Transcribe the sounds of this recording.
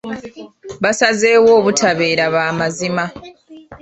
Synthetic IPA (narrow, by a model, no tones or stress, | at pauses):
βasaze̞ːwo̞ːβutʰaβe̞ːɾaβaːmazima